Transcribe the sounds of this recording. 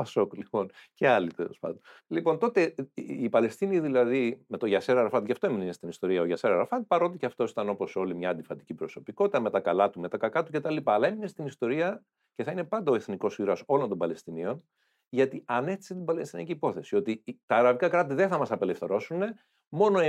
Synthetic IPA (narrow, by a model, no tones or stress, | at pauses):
pɐsoklipo̞nce̞ɐlit̪ḛlo̞̰spɐ̰nd̪olipo̞nt̪o̞t̪e̞ːpɐle̞st̪iniðilɐðime̞t̪o̞ʝɐseɾɐɾɐfɐt̪cɐft̪oemininest̪inist̪o̞ɾiɐoʝɐseɾɐɾɐfɐt̪̚pɐɾo̞t̪iceɐft̪o̞si̥t̪ɐno̞po̞so̞limɲɐːnd̪ifɐt̪icipɾo̞so̞piko̞t̪it̪ɐme̞t̪ɐkɐlɐt̪ume̞t̪ɐkɐkɐt̪uce̞t̪ɐlipɐːlɐe̞mine̞st̪inist̪o̞ɾiɐ | ce̞θɐine̞pɐnd̪ɐoe̞θniko̞siɾɐso̞lo̞nd̪o̞mbɐle̞st̪inio̞n | ʝɐt̪iɐne̞xt̪i̥set̪ibɐle̞st̪inɐ̰ciːpo̞θe̞sio̞t̪it̪ɐːɾɐvikɐkɾɐt̪̬iðeθɐmɐsɐpe̞le̞fθe̞ɾo̞sune̞ | mo̞no̞